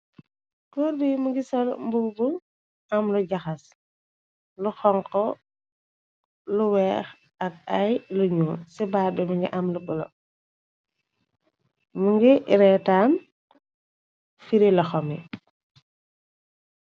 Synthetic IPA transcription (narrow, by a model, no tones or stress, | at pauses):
kɔːɾbimuŋɡisɔlmbubu | ɐmluɟaxɐs | luxɔŋkɔ | luwɛːx | ɐk̚ɐjluɲuːsɛbaːɾbɛmuŋɡḭʔamlukɔlɔ̰ | muŋɡiɾɛtaːn | fiɾilɐxɔmḭ